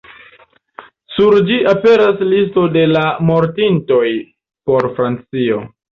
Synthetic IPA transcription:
suɾd͡ʒiʔape̞ɾaslisto̞de̞lamo̞ɾtinto̞j | po̞ɾfɾant͡sio̞

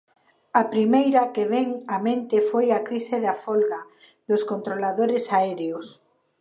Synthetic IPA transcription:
apɾimejɾakeβeŋamẽnt̪ɪfojakɾiseðafolɣa | ðoskont̪ɾolaðoɾesaɛɾeos

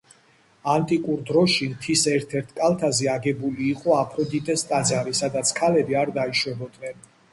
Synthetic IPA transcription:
ant̪ʼikʼuɾd̪ɾɔʃimt̪ʰisɛɾt̪ʰɛɾt̪ʰkʼalˠt̪ʰazɛaɡɛbuliːqʼɔapʰɾɔd̪it̪ʼɛst̪ʼad̪zaɾisad̪at̪sʰkʰalɛbiaɾd̪aiʃwɛbɔd̪nɛn

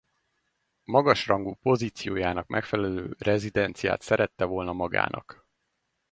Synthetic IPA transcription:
mɒɡɒʃrɒŋɡuːpo̞ziːt̪sijoːjaːnɒkmʔɛkfɛlɛløːrɛzid̪ɛnt̪sija̰ːt̪sɛɾɛt̪ːɛvo̞lnɒmɒɡa̰ːnɒ̰k

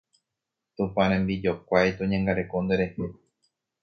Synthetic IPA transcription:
t̪ũpãɾ̃ẽmbid͡ʒokʷajt̪õɲãŋɡaɾe̞kond̪eɾe̞he

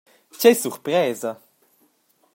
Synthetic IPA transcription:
cɛjsuɾpɾɛːzɐ

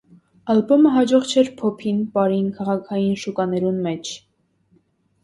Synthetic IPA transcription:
ɑlbɔməɦɑd͡ʒɔʁt͡ʃʰɛɾpʰɔpʰinpɑɾinkʰɑʁɑkʰɑjinʃukɑnɛɾunmɛt͡ʃʰ

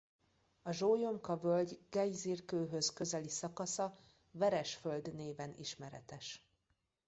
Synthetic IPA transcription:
ɒʒoːjomkɒvølɟɡ̥ɛjzirkøːɦøzkøzɛlisɒkɒsɒ | vɛɾɛʃfø̞ld̪neːvɛnḭʃmɛɾɛt̪ɛʃ

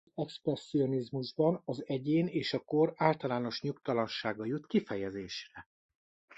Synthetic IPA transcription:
ɛksprɛsːio̞nizmuʒbɒnɒzɛɟeːneːʃɒko̞raːlt̪ɒlaːno̞ʃɲukt̪ɒlɒnʃaːɡɒjut̪kifɛjɛzeːʃrɛ

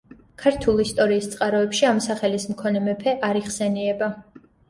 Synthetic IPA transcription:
kʰaɾt̪ʰulˠist̪ʼɔɾiːst̪sʼqʼaɾɔɛpʃiamsaχɛlismkʰɔnɛmɛpʰɛʔaɾiχsɛniɛba

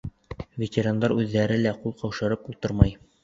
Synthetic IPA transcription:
vʲetʲeɾand̪ɑɾʉðːæɾɘlæqulˠqɑwʃɤ̆ɾɤpulˠt̪ɤɾmɑj

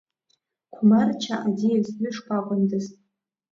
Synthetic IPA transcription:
kʷʰʊmart͡ʃʰaʔadijaznɨʂkʷʰʼakʷʼandɨztʼ

